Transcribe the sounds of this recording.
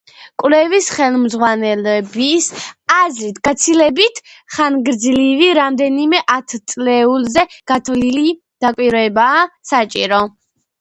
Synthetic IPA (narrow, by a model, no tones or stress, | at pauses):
kʼwlɛvisχɛlˠmzʁwanɛlɛbisazɾit̪ʰɡ̥at̪sʰilɛbit̪ʰχanɡɾd̪zliviɾamd̪ɛnimɛʔat̪ʰt̪sʼlɛulˠzɛɡ̥at̪ʰvlili | d̪̥akʼwiɾɔɛbaːsat͡ʃʼḭɾɔ